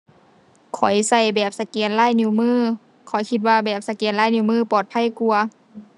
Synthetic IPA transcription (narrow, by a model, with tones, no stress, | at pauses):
kʰɔ˨˩jsa˧˩jbɛː˨˩p̚sa˧keː˨˦nlaː˧˥˨jni˧˨˦mɯː˧˥˩ | kʰɔ˨˩˦jkʰi˧t̪̚waː˧˩bɛː˨˩p̚sa˧keː˨˦nlaː˥˩˨jni˧˩˦mɯː˧˥˨pɔː˨˩t̪̚pʰa˧˥˨jku˧ɐ